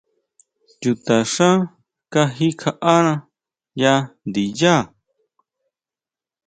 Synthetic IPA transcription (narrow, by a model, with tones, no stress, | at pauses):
t͡ʃu˨t̪a˨ʂã˦ | ka˦ɦi˦kʰa˧ʔa˦nã˧ | ja˦nd̪i˨ja˦˨